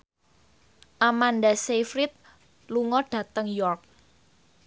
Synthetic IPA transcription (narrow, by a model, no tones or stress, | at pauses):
ʔamandasefɾit̪̚ | luŋɔɖ̥ä̤t̪əŋjɔrk̚